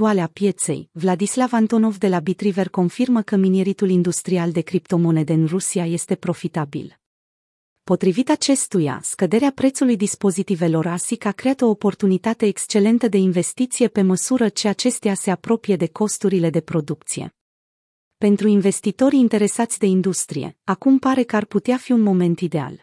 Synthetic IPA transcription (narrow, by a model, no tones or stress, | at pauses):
ualeapje̞t̪se̞̰jvlad̪islavant̪o̞no̞vd̪e̞labit̪ɾive̞rko̞nfirməkəminjeɾit̪ulind̪ust̪ɾiald̪e̞kɾipt̪o̞mo̞ne̞d̪eɨnrusiaje̞st̪e̞pɾo̞fit̪abḭl | po̞t̪ɾivit̪at͡ʃe̞st̪uja̰skəd̪e̞ɾeapɾe̞t̪sulujd̪ispo̞zit̪ivelo̞ɾasikakɾeat̪o̞ːpo̞rt̪unit̪at̪e̞ːkst͡ʃe̞le̞nt̪əd̪e̞inve̞st̪it̪sije̞pe̞məsuɾət͡ʃe̞at͡ʃe̞st̪ease̞apɾo̞pije̞d̪e̞ko̞st̪uɾile̞d̪e̞pɾo̞d̪uk̚t̪sije̞̰ | pe̞nt̪ɾuinve̞st̪it̪o̞ɾiːnt̪e̞ɾe̞sat̪sʲd̪e̞ind̪ust̪ɾije̞̰akumpaɾe̞kəarput̪eafiunmo̞me̞nt̪id̪e̞a̰l